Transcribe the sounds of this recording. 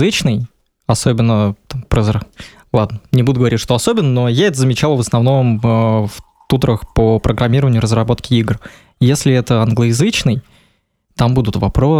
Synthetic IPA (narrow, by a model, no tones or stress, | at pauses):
ɨt͡ɕnɨj | ɐso̞bʲɪnːət̪ampɾəz | lˠad̪nənʲɪbud̪ʊɡəvɐɾʲitʲʂt̪oɐsobʲɪnːənojaɛt̪əzəmʲɪt͡ɕalˠvəsnɐvno̞məf | t̪ut̪ɾəxpəpɾʔəɡɾʔɐmʲiɾəvənʲɪjʊɾəzrɐbo̞t̪kʲɪiɡr | jesʲlʲɪɛt̪əɐnɡlˠəɪzɨt͡ɕnɨj | t̪ambud̪ʊt̪vɐpɾo